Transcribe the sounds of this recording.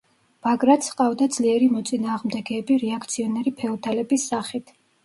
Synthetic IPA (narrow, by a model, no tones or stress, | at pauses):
b̥aɡɾat̪sʰqʼavd̪ad̪z̥liɛɾimɔt̪sʼinaːʁmd̪ɛɡɛːbiɾɛakʰt̪sʰiɔnɛɾipʰɛɔt̪ʰalɛbisːaχit̪ʰ